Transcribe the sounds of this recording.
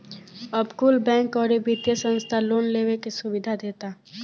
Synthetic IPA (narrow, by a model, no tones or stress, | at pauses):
ɐbkʊlbɛ̃ːŋkɔːɾebit̪jesə̃nst̪ʰaloːnleːwekisʊbɪd̪ʱad̪eːt̪aː